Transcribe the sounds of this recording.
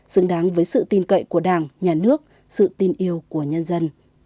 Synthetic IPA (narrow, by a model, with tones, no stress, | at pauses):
sɨ˨˦ŋɗaː˨˦ŋvəː˨˦jsɨ̰˧˨t̪i˨˧nkə̰˧˨jku˧˩əɗaː˧˩ŋɲaː˨˩nɨ˦˥ək̚ | sɨ̰˧˨t̪i˧nʔi˧əwku˧˩əɲə˧nzə˧n